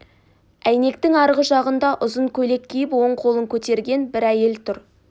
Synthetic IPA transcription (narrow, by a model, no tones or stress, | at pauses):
æjne̞kt̪ɪŋɑɾʁəʒɑʁənd̪ɑʔʊzəɴkʲʰɵle̞kʲʰːejɪpwo̞ɴqʰo̞lˠəŋkʲʰɵt̪e̞ɾɡʲe̞nbɪɾæje̞lt̪ʰʊɾ